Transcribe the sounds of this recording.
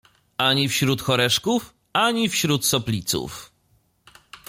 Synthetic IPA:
aɲifɕɾut̪xɔɾɛʂkuf | aɲifɕɾut̪sɔplʲit̪sṵf

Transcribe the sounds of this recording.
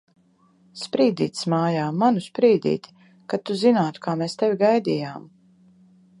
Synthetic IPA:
spɾiːd̪ḭːt̪ʲsmaːjaːmanuspɾiːd̪ḭːt̪ʲ | kat̪ːuzinaːt̪u̥kʰaːmeːst̪evʲiɡajd̪iːjaːm

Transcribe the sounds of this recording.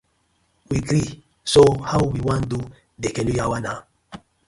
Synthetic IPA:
wiɡɾi | sohawiwiwãndu | dekɛlujawana

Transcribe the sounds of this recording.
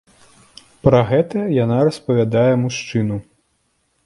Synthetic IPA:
pɾɐɣɛt̪ɐjanaɾɐspɐvʲad̪ajɛmuʂt͡ʂɨnu

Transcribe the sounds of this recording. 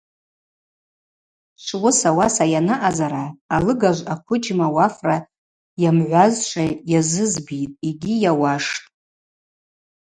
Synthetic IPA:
ʃʷwʊsawasajanaʔazaɾaːlɨɡaʒʷakʷʰʊd͡ʒmawafra | jamʕʷazʃʷʰajazɨzbitʼiɡʲijawaʂtʼ

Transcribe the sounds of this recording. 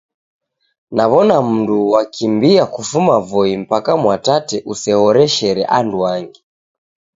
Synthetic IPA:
naβɔnam̩nduwakʰimbiakufumavɔim̩pakamwatatɛʔusɛhɔɾɛʃɛɾɛ̰ʔanduaŋɡi

